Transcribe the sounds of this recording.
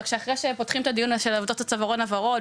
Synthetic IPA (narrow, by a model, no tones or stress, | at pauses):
kʃeaχʁejʃepo̞tχimet̪adijunʃelavodot̪at͡savaʁonavaʁo̞t